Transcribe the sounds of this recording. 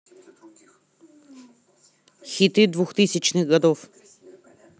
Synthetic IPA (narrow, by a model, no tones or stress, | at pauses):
xit̪id̪vuxt̪isʲit͡ʃniɡɐd̪ɔf